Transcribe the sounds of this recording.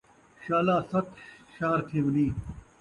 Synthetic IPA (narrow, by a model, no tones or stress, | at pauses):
ɕaːlaːsɐt̪ʰʃɐɦɾt̪ʰeːʋɐniː